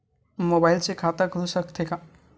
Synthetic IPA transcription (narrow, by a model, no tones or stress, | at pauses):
mobailt͡sekʰat̪aɡʱusəkt̪ʰeka